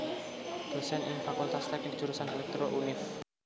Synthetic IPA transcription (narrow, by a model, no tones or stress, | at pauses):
b̥osɛnʔɪŋfakult̪ast̪aki̥d͡ʒ̥uɾusanɛlɛk̚t̪ɾoʔunɪf